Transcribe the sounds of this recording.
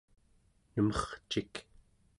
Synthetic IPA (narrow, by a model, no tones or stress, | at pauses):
nəmʌχt͡ʃik